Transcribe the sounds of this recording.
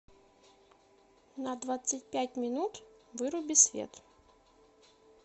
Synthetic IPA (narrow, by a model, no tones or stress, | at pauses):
nəd̪vat̪sɨtʲpʲæt̚ʲmʲɪnut̪vɨɾʊbʲɪsʲvʲḛt̪